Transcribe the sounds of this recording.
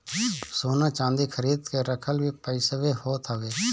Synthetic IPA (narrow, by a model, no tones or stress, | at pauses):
soːnãːt͡ʃãːnd̪iːkʰəɾiːd̪keɾəkʰəlbʱiːpəɪsəʋehoːt̪ʰaʋeː